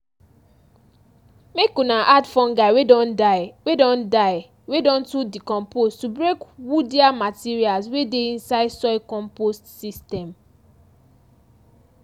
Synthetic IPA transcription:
mekũnaʔadfɔ̃nɡaɪwedɔ̃ndawedɔ̃ndaɪ | wedɔ̃ntudikɔ̃mpostubɹekwudiamatiɹialswedeĩnsaɪdsɔɪkɔ̃mpostsistɛ̃m

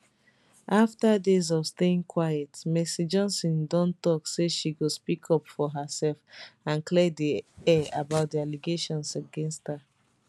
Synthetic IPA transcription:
ʔaftadezɔfsteĩŋkʰwajɛtmɛsid͡ʒɔ̃nsɔ̃ndɔ̃ntɔkseʃiɡospikʰɔpfɔɦəsɛlfãnklɛdiɛabaʊt̚dialiɡeʃɔ̃nsaɡɛ̃nstha

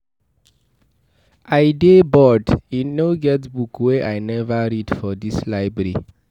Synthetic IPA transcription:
ʔaɪdebɔdĩnːoɡɛtbukweʔajnɛvəɹidfɔdislaɪbɹɛɹi

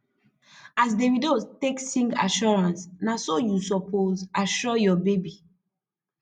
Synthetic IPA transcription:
asdewidoteksĩŋɡa̰ʃɔɹãnsnasojusɔpʰozaʃɔjɔbebi

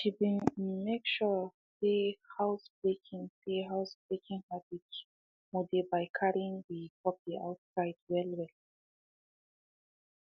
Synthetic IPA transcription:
ʃibĩmekʃɔ | sehaʊsb̥ɹekʰĩŋseɦaʊsb̥ɹekʰĩŋhabids | modibaɪkʰaɹĩŋwiɡɔp̚d̥iʔa̰ʊtsaɪdwɛlwɛl

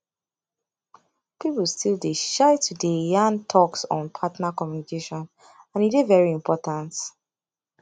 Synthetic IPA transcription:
pipl̩ˠstʰilˠdeʃaɪtʰudejãntʰɔksɔ̃n̩pʰatnakɔmjunikeʃɔ̃n | ãnidevɛɹiĩmpʰɔtãnt

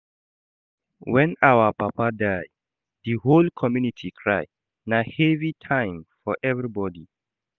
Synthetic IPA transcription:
wɛ̃nawəpapʰadaj | ð̥iholkʰɔmjunitʰikʰɹaj | nahɛvitʰãɪ̃mfɔʔɛvɹibɔdi

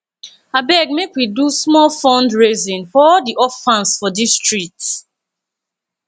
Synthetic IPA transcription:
abɛɡ̚mekwidusmɔlfɔ̃ndɹezĩnfɔɔldiʔɔfãnsfɔdistɹik̚t

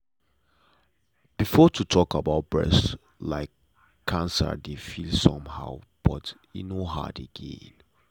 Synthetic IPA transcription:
b̥ifɔtʰutʰɔkabaʊt̚b̥ɹɛ̰s | laɪkʰː | ãnsə̰defilsɔ̃mhaʊb̥ɔt | ḭnoɦa̰deɡ̥ḛ̃n

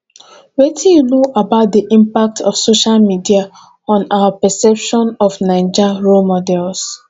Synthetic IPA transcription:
wɛtʰĩjunoʔabaʊt̚diʔĩmpak̚tʰɔ̰fsoʃalmidia | ɔ̃nawapɛsɛpʃɔ̃nɔfnãɪ̃d͡ʒaɹomɔdɛls

